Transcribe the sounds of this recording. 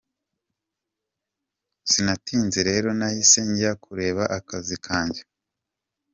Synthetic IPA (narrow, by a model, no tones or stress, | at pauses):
sinatiːnzeɾe̞ːɾo̞nahise̞ɲɟijakʰuɾe̞ːβaʔakazikʰaːɲɟe